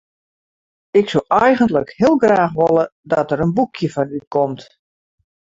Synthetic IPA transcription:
ɪksolʔɛjɣəntləkhɪəlˠɡraːxʋolədɔtəɾənbukʰjəfɔnykʰɔmt

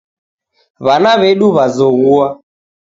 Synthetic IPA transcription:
βanaβeɗuβazɔɣua

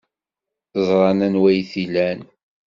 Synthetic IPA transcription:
θəzˤɾˤɑnænwæjθilæn

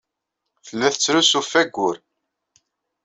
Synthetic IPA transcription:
θəlːæθət͡sːɾusufːæɡʷːʊɾ

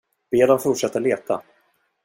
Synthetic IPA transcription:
b̥eːd̪amfʊʈʂɛt̪ːəleːt̪ʰa̰

